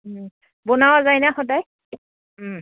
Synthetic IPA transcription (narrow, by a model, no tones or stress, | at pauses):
bɔnawazajnaxɔdaj